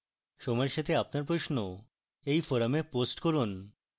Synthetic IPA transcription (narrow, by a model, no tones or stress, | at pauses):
ʃɔmɔeɾʃat̪ʰeapnaɾpɾoʃno | ejfoɾameposʈkoɾun